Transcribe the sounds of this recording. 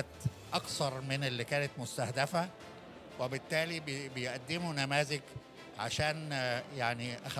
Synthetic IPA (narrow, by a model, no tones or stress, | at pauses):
æt̪ | ʔɑkt̪ɑɾˤmɪnɪlːikæːnæt̪mʊst̪æhd̪æfæ | webɪt̪ːæːlibbejʔæd̪ːɪmunæmæːzɪk | ʕa̰ʃæːnjaʕniʔæx